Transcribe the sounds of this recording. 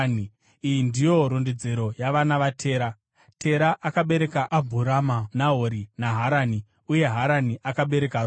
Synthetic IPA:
ni | ijindijo̞ɾonded͡zeɾo̞jaʋanaʋatʰe̞ːɾa | tʰe̞ɾaʔakaɓe̞ɾe̞kaʔabʱuɾamanaɦoɾinaɦaɾani | uje̞ɦaɾaniʔakaɓe̞ɾe̞kar

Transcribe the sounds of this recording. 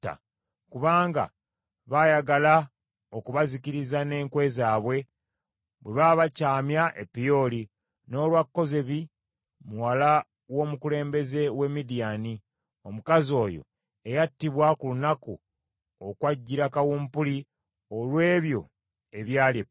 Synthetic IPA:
ta̰ | kuβaːŋɡa̰ | βajaɡala | o̞kuβazikiɾizane̞ːŋkwe̞zaːβwe̞ | βwe̞βaβacaːmjaʔepːijo̞li | no̞ːlwakːo̞zeβi | muwala | wo̞mukule̞ːmbe̞ze̞we̞midijani | o̞mukazio̞ːjo̞̰ | e̞jatːiβwakulunaku | okwaɟːiɾakawuːmpuli | o̞lwe̞ːβjo̞̰ | e̞βjaːle

